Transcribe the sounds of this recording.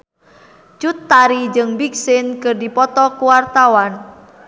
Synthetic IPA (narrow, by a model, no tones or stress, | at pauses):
t͡ʃut̪ːaɾid͡ʒɨŋbik̚sɪnkɨrdipɔt̪ɔkuwart̪awan